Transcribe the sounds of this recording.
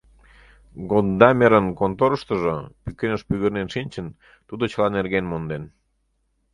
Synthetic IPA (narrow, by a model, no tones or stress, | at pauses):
ɡod̪d̪ɑmeɾənkont̪oɾəʃt̪ə̆ʒopykenəʃpyɣərnenʃinʲt͡ɕən | t̪ud̪ot͡ɕəlɑnerɣenmond̪en